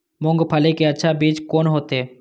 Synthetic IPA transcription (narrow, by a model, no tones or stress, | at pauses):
mʊ̃ŋɡpʰəlekeɐtːʃʰabiːd͡ʒkoːnɦoːt̪eː